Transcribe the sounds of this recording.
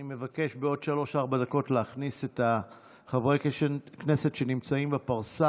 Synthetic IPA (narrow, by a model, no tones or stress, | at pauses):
ime̞vake̞ʃbeo̞dʃalo̞ʃaʁbadako̞tleaχnise̞ta | χavʁeknese̞tʃe̞nimt͡saimbapaʁsa